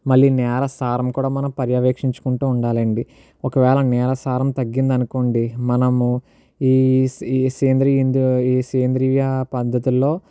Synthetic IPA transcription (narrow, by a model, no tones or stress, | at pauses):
mɐɭːinɛːɾɐsaːɾɐmkuːɽaːmɐnɐmpɐɾjɐʋeːkʂiɲt͡ʃu̥kuɳʈuːɳɖaːlɐɳɖi | ɔkɐʋɛːlɐnɛːɾɐsaːɾɐmt̪ɐɡːind̪ɐnukoːɳɖimɐnɐmu | iː | seːnd̪ɾiind̪uiːseːnd̪ɾiʋjapɐd̪ʱːɐt̪ilːo̞ː